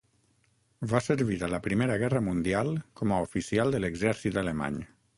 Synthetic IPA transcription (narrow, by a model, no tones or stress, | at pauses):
vasəɾβiɾələpɾimeɾəɣɛrəmund̪ialˠkɔməufisialˠd̪ələɡzɛɾsit̪d̪ələma̰ɲ